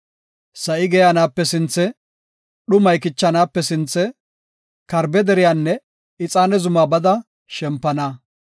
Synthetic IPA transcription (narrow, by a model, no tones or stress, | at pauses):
sɐʔɪɡɛjaːnaːpːɛsɪnt͡sːɛ | ɗʊmɐjkɪt͡ʃːɐnaːpːɛsɪnt͡sːɛ | kɐɾbɛd̪ɛɾɪjaːnːɛ | ɪt͡sʼaːnɛzʊmaːbɐd̪ɐ | ʃɛmpːɐna